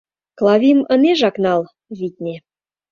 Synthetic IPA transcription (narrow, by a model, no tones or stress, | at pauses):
klˠɑvʲiməneʒɑknɑl | βʲit̪̚ʲnʲe